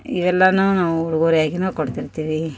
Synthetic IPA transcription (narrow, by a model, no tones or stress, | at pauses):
iʋɛlːɐnuːnaːʋuuɭuɡoːɾijaːɡinuːkoɽt̪iɾt̪iːʋi